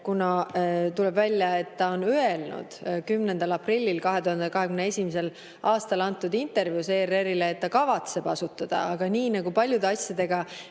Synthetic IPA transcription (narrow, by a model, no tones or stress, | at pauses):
kunɑt̪ule̞bvælʲːjɑe̞t̪ːɑo̞nyelnṵd̪̥kymnend̪̥ɑlɑprilʲːilkɑɦe̞t̪uhɑnd̪ekɑɦe̞kymneesʲimese̞l | ɑːst̪ɑlɑnt̪ːˑud̪int̪e̞rvjuse̞ːreɾileːt̪ːɑkɑvɑt̪se̞b̥ɑsut̪ːˑɑd̪̥ɑ̰ɑɡ̥ɑniːnɑɡupɑlʲjud̪e̞ɑsjɑd̪̥e̞ɡ̥ɑ